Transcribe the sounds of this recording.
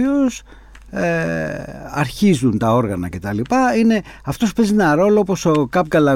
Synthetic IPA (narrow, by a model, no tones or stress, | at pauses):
os | ɐɾçizunt̪ɐo̞ɾɣɐnɐce̞t̪ɐlipɐine̞ | ɐft̪o̞spe̞zenɐɾo̞loopo̞sokɐpɡɐlɐ